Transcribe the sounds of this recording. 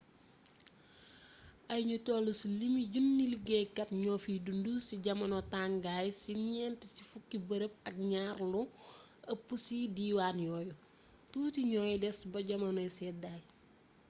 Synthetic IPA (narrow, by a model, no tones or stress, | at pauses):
ɐjɲutɔːlusulimiɟunːiliɡɛkɐtɲɔːfiːdundusiɟɐmɐnɔtaŋɡaːjsiɲɛːntisifukːibəɾəp̚ɐk̚ɲaːrlu | ɐpːusidiːwaːnjɔːju | tuːtiɲɔːjdɛsbɐɟɐmɐnɔjsɛːdaːj